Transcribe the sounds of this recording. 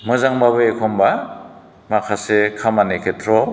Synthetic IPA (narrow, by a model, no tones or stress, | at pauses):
mɯzaŋbaβɯekʰɔmba | makʰasekʰamanekʰetʰɾɔ